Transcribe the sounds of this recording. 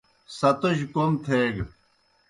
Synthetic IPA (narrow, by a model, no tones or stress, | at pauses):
sɐt̪oɕkomt̪ʰeːɡ